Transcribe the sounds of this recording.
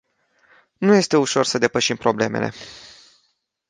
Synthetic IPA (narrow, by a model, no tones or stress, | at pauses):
nuje̞st̪e̞uʃo̞rsəd̪epəʃimpɾo̞ble̞me̞̰le̞̰